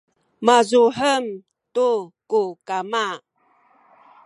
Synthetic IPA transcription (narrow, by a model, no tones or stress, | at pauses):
mazuħəm | tukukama